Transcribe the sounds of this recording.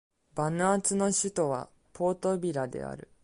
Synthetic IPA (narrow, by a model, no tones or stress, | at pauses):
banɯat͡sɨno̞ɕɨt̪o̞βa̰ | pʰo̞ːt̪o̞bʲiɾad̪e̞̰a̰ɾɯ̟